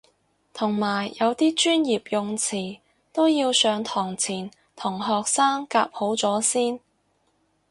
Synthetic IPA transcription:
t̪ʰʊ˨˩ŋmaː˨˩jːɐ˨˧wt̪iː˥t͡ʃyː˥njiː˨˩p̚jʊ˨˧ŋt͡sʰiː˨˩ | t̪o˥wjiː˧wsœː˨˧ŋt̪ʰɔː˨˩ŋt͡sʰiː˨˩n | t̪ʰʊ˨˩ŋɦɔː˨k̚saː˥ŋka̰ː˧p̚ho˨˥wt͡sɔː˨˥siː˥n

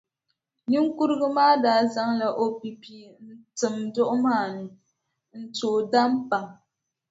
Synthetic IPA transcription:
ɲi˦ŋ̩˦ku˦ɾɣɨ˦maː˦daː˨˦˨za˦ŋla˨ʔo˨pi˨pi˨n̩˦tɨ˨mdɔ˦ʔmaː˦˨n˨ | n̩˨toː˨da˦mpa˨ŋ

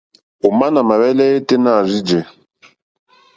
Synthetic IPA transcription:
o˨ma˦na˨ma˨βɛ˦lɛ˦e˦te˦na˦˨zi˦d͡ʒɛ˨

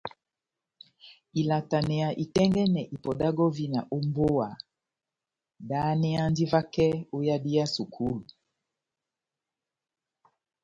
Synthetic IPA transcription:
i˨la˨ta˨nɛ˨ja˨ʔi˨tɛ˦ŋɡɛ˦nɛ˨ʔi˨pɔ˨da˦ɡɔ˦vi˦na˨ʔo˦mbo˦wa˨ | da˨˦nɛ˦a˦ndi˦va˦kɛ˦o˦ja˦di˦ja˦su˨kʰu˦lu˨

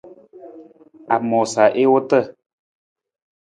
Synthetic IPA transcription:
a˨mɔ˨sa˨ʔe˦wo˦tə˦˨

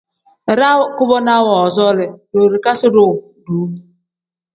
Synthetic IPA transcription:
ɾa˦kʊ˦bɔ˦na˦wɔ˨zɔ˦lɪ˨ɾo˨ɾi˨ka˦sɪ˦ɾʊ˨ | du˨˦

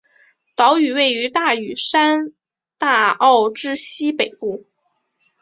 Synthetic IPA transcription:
t̪ɑ˧˥ʊy˨˩we˥˩ɪy˧˥t̪a˥˩y˨˩ʂa˥n | t̪a˥˧ɑ˥˩ʊʈ͡ʂɻ̩˥ɕi˥pe˨˩ɪpu˥˩

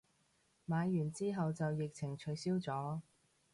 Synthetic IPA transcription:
maː˨˧jːyː˨˩nt͡siː˥ɦɐ˨wt͡sɐ˨wjɪ˨k̚t͡sʰɪ˨˩ŋt͡ʃʰɵ˨˥ɥsiː˥wt͡sɔː˨˥

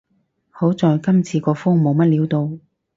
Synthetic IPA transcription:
ho˨˥wt͡sɔː˨˧jkɐ˥mt͡sʰiː˨˧kɔː˧fʊ˥ŋmo˨˧wmɐ˥t̚liː˨˥wt̪o˧w

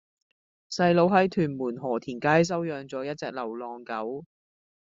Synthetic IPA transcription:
sɐ˧jlo˨˧wɦɐ˨˥jt̪ʰyː˨˩nmuː˨˩nɦɔː˨˩t̪ʰiː˨˩nkaː˧˥js̬ɐ˥wjœː˧ŋt͡sɔː˨˥jɐ˥t̚t͡sɛː˧k̚lɐ˨˩wlɔː˨˩ŋkɐ˨˥w

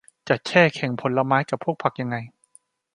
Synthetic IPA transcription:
t͡ɕa˨˩t̪̚t͡ɕʰɛː˥˩kʰɛ˨˩˦ŋpʰo˩˦nla˧maː˦˥jka˨˩pʰːu˥˩ək̚pʰa˨˩k̚ja˧ŋːa˧j

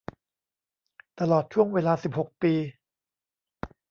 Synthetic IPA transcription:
t̪a˧lɔː˨˩t̪̚t͡ɕʰu˥˩əŋweː˧laː˧si˨˩p̚ho˨˩k̚piː˧

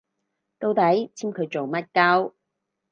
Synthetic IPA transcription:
t̪o˧wt̪ɐ˨˥jt͡sʰiː˥mkʰɵ˨˧ɥt͡so˨wmɐ˥t̚kɐ˥w

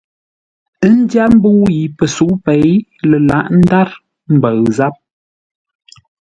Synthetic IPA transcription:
ə˦n̩˦dja˦m̩˦bu˦wji˨pə˨su˨˦pe˨˦jlə˨la̰˦˨ʔn̩˦da˦ɾ | m̩˦˨bə˨ɰza˦p̚

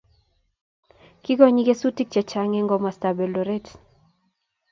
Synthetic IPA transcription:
ki˦ɡɔ˦ɲi˦ɡe˦su˦ti˦k̚t͡ʃɛ˨t͡ʃa˦ŋɛ˦ŋɡɔ˦ma˨sta˨bɛ˨lo˨ɾe˦t

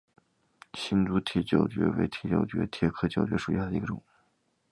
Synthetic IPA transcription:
ɕi˥nt͡su˧˥t̪ʰjɛ˧˥t͡ɕjo˨˩ʊt͡ɕɥɛ̰˧˥wḛ˧˥ɪt̪ʰi˧˥t͡ɕjo̰˨˩ʊt͡ɕɥɛ̰˧˥t̪ʰjɛ˧˥kʰɤ˥t͡ɕjo˨˩ʊt͡ɕɥɛ̰˧˥ʂu˨˩ɕja˥˩d̪ə˩i˧˥ɡə˧ʈ͡ʂʊ̰˨˩˦ŋ

